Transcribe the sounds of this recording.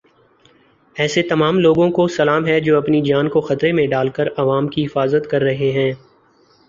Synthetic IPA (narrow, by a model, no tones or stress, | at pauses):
ɛːset̪ɐmaːmloːɡõkosɐlaːmɦɛd͡ʒoːɐpnid͡ʒaːnkoxɐt̪ɾemẽɖaːlkəɾɐʋaːmkiɦɪfaːzət̪kɐɾːɐɦeɦɛ̃ː